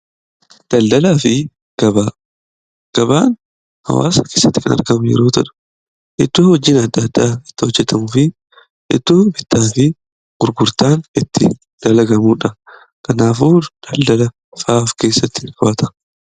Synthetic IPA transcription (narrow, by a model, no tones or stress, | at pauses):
d̪̥ɐld̪ɐlaːfɪ | ɡ̥ɐba | ɡ̥ɐba̰ːn | hɐ̰wa̰ːsɐke̞ːsːɐt̪ːɪkɐnɐ̰ɾɡɐmʊjɛ̰ɾo̞ːt̪ɐᶑʊ̥ | ʔɪt̪ːuːhɔd͡ʒːiːnɐd̪ːɐd̪ːaːɪt̪ːɪhɔd͡ʒːɛt̪ɐmʊfɪ | ʔɪt̪ːuːbɪt̪ːaːfɪ | ɡ̥ʊɾɡʊɾt̪aːnɪt̪ːɪ | d̪̥ɐlɐɡɐmuːᶑɐ | kɐnaːfuːd̪̥ɐld̪ɐlɐ | faːfke̞ːsːɐt̪ːɪfʊɐt̪ɐ̥